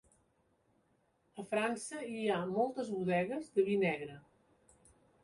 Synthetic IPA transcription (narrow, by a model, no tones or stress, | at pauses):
əfɾansəiamɔlˠt̪əzβuðɛɣəzðəβinɛɣɾə